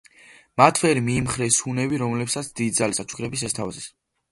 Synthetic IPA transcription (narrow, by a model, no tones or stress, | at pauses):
mat̪ʰvɛɾimiːmχɾɛsunɛbiɾɔmlɛpsat̪sʰd̪̥id̪zalisat͡ʃʰu̥kʰɾɛbis̬ɛst̪ʰavazɛs